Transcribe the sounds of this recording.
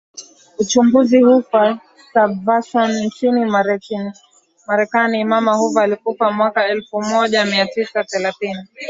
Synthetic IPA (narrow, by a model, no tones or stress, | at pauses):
ut͡ʃumbuzihufa | savasɔnnt͡ʃinimaɾɛini | maɾɛkaniːmamahuvaːlikufamwakaɛlfumɔʄamiatisaθɛlaθini